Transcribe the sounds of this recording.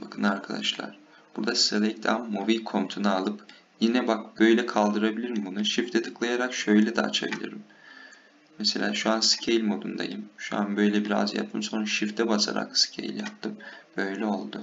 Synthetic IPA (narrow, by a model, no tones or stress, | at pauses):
bakʰɯnaɾkʰad̪aʃlˠa̰ɾ̥ | b̥uɾd̪asi̥zelʲɛc̚t̪ʰamːovikʰo̞mt̪ʰunaalˠɯp | jinɛbakbø̞jlʲɛkʰalˠd̪ɯɾabilʲiɾimbunuʃift̪ʰɛt̪ʰɯ̥klˠajaɾakʃø̞jlʲɛd̪ɛa̰t͡ʃʰabḭlʲḭɾim | mese̞lʲaːʃuansɯ̥cʰejlʲmo̞d̪und̪a̰jɯmʃua̰nbø̞jlʲɛbiɾa̰zja̰pt̪ʰːɯmso̞nʃift̪ʰɛbasa̰ɾa̰ksɨ̥cʰḛjḭlʲjap̚t̪ʰɯmb̥ø̞jlʲɛo̞lˠd̪ʊ